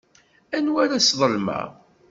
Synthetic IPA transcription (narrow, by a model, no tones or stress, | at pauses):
ænwaɾasðˤəlmæ̰